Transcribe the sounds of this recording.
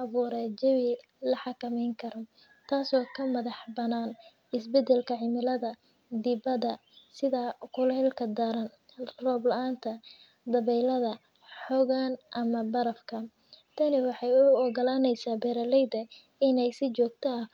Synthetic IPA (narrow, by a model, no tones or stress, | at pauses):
ɐβuːɾɛd͡ʒɛwɪ | lɐħɑkɐmɛjŋkʰɐɾɔ | t̪ʰaːsɔːkʰɐmɐðɑħbɐnaːn | ɪsbɛd̪ɛlkʰɐʕɪmɪlɐðɐ | d̪ɪbɐðɐ | sɪðɐkʰʊlɛːlkʰɐd̪aɾɐn | rɔːblɐʔaːnt̪ʰɐ | d̪ɐβɛjlɐðɐ | ħɔɣaːnʔɐmɐbɐɾɐfkʰɐ | t̪ʰɐnɪwɑħɑjʊɔɣɐlaːnɛjsaːbɛːɾɐlɛjd̪ɐ | ɪnɛjsɪt͡ʃɔːɡ̚t̪ʰɐɐ